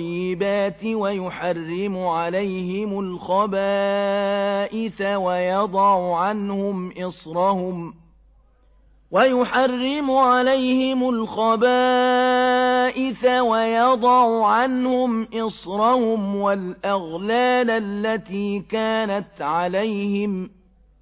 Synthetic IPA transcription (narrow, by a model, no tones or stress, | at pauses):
jːɪbaːt̪ɪwajʊħarːɪmʊʕalajhɪmʊlxɑba | ʔɪθawajɑd̪ˤɑʕʊʕanhʊmʔɪsɾˤɑhʊm | wajʊħarːɪmʊʕalajhɪmʊlxɑbaː | ʔɪθawajɑd̪ˤɑʕʊʕanhʊmʔɪsɾˤɑhʊmwalʔaɣlaːlalːat̪iːkaːnat̪ʕalajhɪm